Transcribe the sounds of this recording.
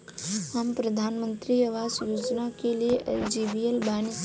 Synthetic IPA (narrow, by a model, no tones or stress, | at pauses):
həmpɾəd̪ʱaːnmə̃nt̪ɾiəʋaːzjoːd͡ʒnakelijeʔɐjd͡ʒibijəlbaːni